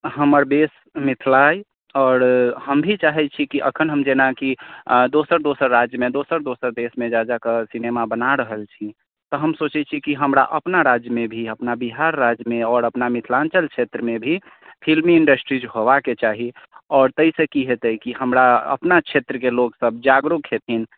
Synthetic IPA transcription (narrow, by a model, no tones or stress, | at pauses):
həməɾb̪es | mit̪ʰlaj | ɔːɾhəmbʱit͡ʃaɦɛt͡ʃʰikiʔə̰kʰənɦəmd͡ʒenakid̪osəɾd̪osəɾːad͡ʒjəmed̪osəɾd̪osəɾd̪esmẽd͡ʒad͡ʒakesinemabənaɾəɦəlt͡ʃʰi | t̪ɔɦəmsot͡ʃɛt͡ʃʰikiɦəmɾa̰ʔəpnaɾad͡ʒjəmebʱiəpnabiɦaɾːad͡ʒjəmeɔːɾəpnamit̪ʰlant͡ʃəlt͡ʃʰet̪ɾəmebʱi | pʰilmiiɳɖəsʈɾid͡ʒɦobaket͡ʃaɦiɔːɾt̪əisekiɦet̪əjkihəmɾaə̰pnat͡ʃʰet̪ɾəkeloɡsəb̚d͡ʒaɡɾukɦet̪ʰin